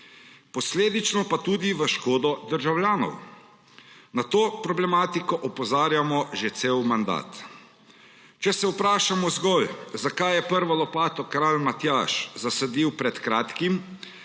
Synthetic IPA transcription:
pɔsleːd̪it͡ʃnɔpat̪uːd̪iʋəʃkoːd̪ɔd̪əɾʒawljaːnɔ̰w | nat̪oːpɾɔblɛmaːt̪ikɔʔɔpɔzaːɾjamɔʒet̪seːwmand̪a̰ːt̪ | t͡ʃɛsɛupɾaːʃamɔzɡɔlzakajɛpəɾʋalɔpaːt̪ɔkɾaːlmat̪jaːʃzasɛd̪iwpɾɛt̪kɾaːt̪kim

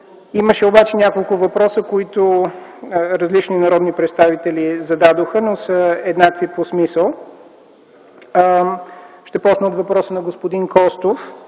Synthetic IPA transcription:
iməʃɛobat͡ʃɛnʲakolˠkʊvɐpɾɔsəkoit̪o | ɾɐzlit͡ʃninɐɾɔd̪nipɾɛt̪st̪avit̪ɛlizɐd̪ad̪oxənosəɛd̪nakviposmisəlˠ | ʃt̪ɛpɔt͡ʃnəot̪vɐpɾɔsənɐɡospod̪inkɔst̪of

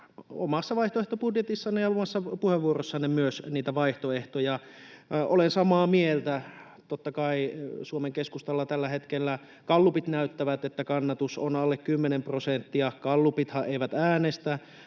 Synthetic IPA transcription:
o̰mɑsːɑʋɑiht̪oeht̪opudjet̪isːɑnːejɑomɑsːɑpuheʋʋuorosːɑnːemyøsniːt̪æʋɑiht̪oeht̪ojɑ | olensɑmɑːmielt̪æ | t̪ot̪ːɑkɑisuomeŋkeskust̪ɑlːɑt̪ælːæhet̪kelːæ | kɑlːupit̪næyt̪ːæʋæt̪et̪ːækɑnːɑt̪usonɑlːekkymːenemprosent̪ːiɑkɑlːupit̪hɑʔeiʋæt̪æːnest̪æ

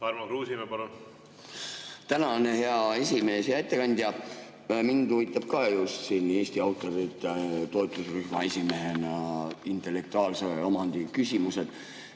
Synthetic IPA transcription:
tɑrmɑkɾuːsimepɑlun | t̪ænɑneheɑe̞sʲime̞ːsjɑet̪ːekɑnʲd̪̥jɑ | mind̪uvit̪ːˑɑb̥kɑjust̪sinːe̞ːsʲt̪iɑwt̪ˑːoɾit̪ːˑet̪o̞et̪ˑusryhmɑe̞sʲime̞ɦenɑint̪ˑe̞lːe̞k̚t̪uɑːlseomɑnd̪̥ikysʲimuse̞d̪̥

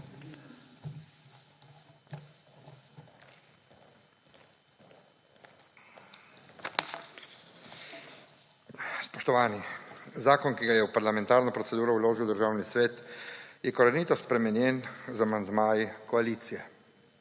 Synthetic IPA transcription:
spɔʃt̪ɔʋaːnizaːkɔnkiɡajɛwpaɾlamɛ̃nt̪aːɾnɔpɾɔt̪sɛd̪uːɾɔwloːʒiwd̪əɾʒaːwnisʋeːt̪jɛkɔɾaniːt̪ɔspɾɛmɛnjɛnzamand̪maːjikɔaliːt̪sijɛ

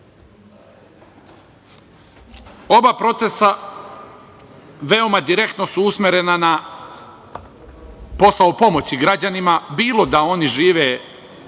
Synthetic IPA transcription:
o̞bapɾo̞t̪se̞sa | ʋe̞o̞mad̪iɾe̞kt̪no̞suusmjeɾenana | po̞saopo̞mo̞t͡ɕiɡɾad͡ʑanimabiːlˠo̞d̪ao̞niʒiːʋe

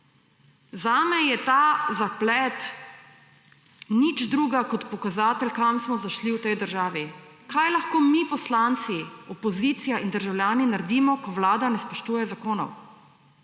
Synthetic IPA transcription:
zaːmɛjɛt̪azaplɛt̪ | nit͡ʃd̪ɾuːɡakɔt̪pɔkazaːt̪ɛlkamsmɔzaʃliwt̪ɛjd̪əɾʒaːʋikajlaxkoːmipɔslant̪siɔpɔzit̪sijaʔind̪əɾʒawlʲjaːninaɾd̪iːmɔkɔwlaːd̪anɛspɔʃt̪uːjɛzakoːnɔ̰w

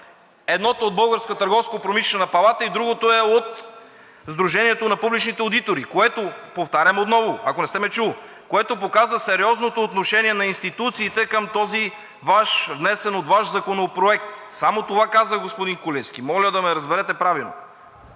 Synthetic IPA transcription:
ɛd̪nɔt̪od̪̚bɤlˠɡəɾskət̪ɐɾɡɔfskopɾomiʃlɛnɐpɐlˠat̪əid̪ɾuɡot̪oɛot̪ | zd̪ɾuʒɛniɛt̪onɐpublit͡ʃnit̪ɛod̪it̪oɾikoɛt̪opoft̪aɾʲɐmot̪nɔvoɐkonɛst̪ɛmɛt͡ʃu | koɛt̪op̬okazəsɛɾiɔznot̪oːt̪noʃɛniɛnɐinst̪it̪ut̪siːt̪ɛkəmt̪ɔzi | vaʃvnɛsɛnot̪vaʃzɐkonopɾoɛk̚t̪samot̪ovakazəɡospod̪inkolʲɛsk̟imɔlʲəd̪ɐmɛɾɐzbɛɾɛt̪ɛpɾavilˠno̰

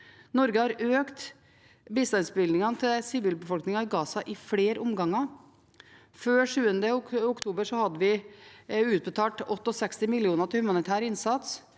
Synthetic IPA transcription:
nɔɾɡəhɑɾøːkt̪ | bɪst̪ɑnsbɪld̪ɪŋɑnət̪ʰɪlsɪʋiːlbəfɔlknɪŋɑɪɡɑːsɑʔɪfleːɾʔʊmɡɑŋːɑ | føːʂʉːənd̪əʊkt̪ʰuːbəɾʂɔhɑd̪ːəʋɪ | ʉːt̪̚bət̪ʰɑːʈɔt̪ːɔsɛkst̪ɪmɪlɪuːnət̪ʰɪlhʉmɑnɪt̪ʰæːɾɪnsɑt̪s

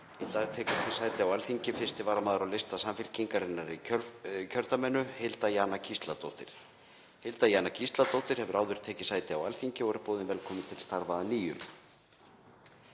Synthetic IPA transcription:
ɪt̪aðt̪ʰɛːkʏ̥θɪ̥saːjt̪ɪawalθiɲcɪfɪ̥st̪ɪvaɾmaːðʏɾawlɪst̪asamfɪl̥ciŋkaɾɪnːaɾicʰœɾt̪amɛnːʏhelt̪ajaːnacʰist̪lat̪o̰wht̪ɪɾ̥ | hɪlt̪ajaːnacʰist̪lat̪owht̪ɪɾ̥hɛvʏɾʔaːwðʏɾ̥t̪ʰɛːcɪsaːjt̪ɪawalθiɲcɪɔɣɛɾpoːðɪnvɛlkʰɔːmɪt̪ʰɪlst̪aɾvaðaniːjʏm

